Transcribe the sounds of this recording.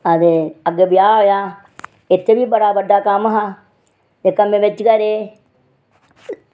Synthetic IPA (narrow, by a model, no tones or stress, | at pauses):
əd̪eəɡebɪjaːɦojaː | ɪt̪ʰːeːbiːbəɽaːbəɖaːkəmɦa | eːkəmẽːʋɪt͡ʃkəɾeː